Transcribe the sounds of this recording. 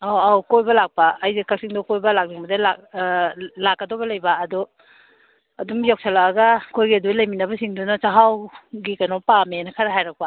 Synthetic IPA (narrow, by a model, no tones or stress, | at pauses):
aawkojbɐlak̚paːjzikak̚siŋdɔkojbɐlak̚liŋbɐdala | lakːadɔbɐlɐjbaːdu | ɐdumjak̚sʰalaːɡakʰojɡiɐdulɐjminɐbɐsiŋdunat͡ʃaɦawɡikanopamenakʰɐɾaɦajɾak̚pa